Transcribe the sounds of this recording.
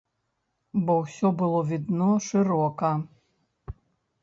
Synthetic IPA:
bɔwsʲɔbɨlˠɔvʲid̪nɔʂɨɾɔkɐ

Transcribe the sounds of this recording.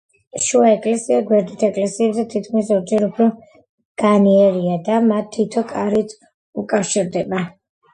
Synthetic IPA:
ʃuaɛkʼlɛsiaɡwɛɾd̪it̪ʰɛkʼlɛsiɛbzɛt̪ʰit̪̚kʰmisɔɾd͡ʒɛɾupʰɾɔ | ɡ̥aniɛɾiad̪amat̪ʰːit̪ʰɔkʼaɾit̪ʰ | ukʼafʃiɾd̪ɛba

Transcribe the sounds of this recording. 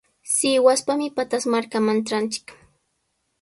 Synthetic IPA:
sɪwaspamɪpat̪asmaɾkamant͡ʃant͡ʃɪ̥k

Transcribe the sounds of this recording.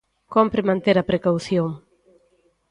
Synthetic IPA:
kompɾemãnt̪eɾɐpɾekawθjoŋ

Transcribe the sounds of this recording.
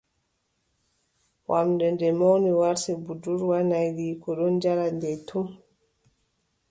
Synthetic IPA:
wʔamdɛndɛmɔwniwaɾsɛbuduɾwanajɾiːkɔɗɔnd͡ʒaɾandɛtʰum

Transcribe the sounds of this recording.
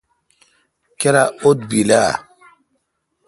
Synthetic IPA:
keɾaot̪̚bila̰

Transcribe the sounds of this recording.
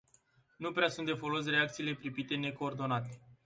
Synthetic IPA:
nupɾeasunt̪d̪e̞fo̞lo̞s̬re̞ak̚t̪siːle̞pɾipit̪e̞ne̞ko̞ːrd̪o̞nat̪e̞

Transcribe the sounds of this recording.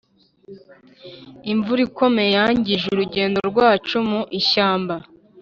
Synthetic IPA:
iɱvuɾiko̞me̞jaːɲɟiʒuuɾuɟe̞ːndoɾɡwaːt͡ʃumuʔiʃaːmba

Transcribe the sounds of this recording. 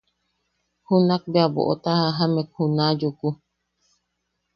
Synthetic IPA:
hunak̚beabo̰ʔot̪ahaɦamek̚hunajuku

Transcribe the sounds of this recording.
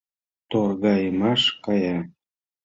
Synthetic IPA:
t̪orɣɑjəmɑʃkɑjɑ

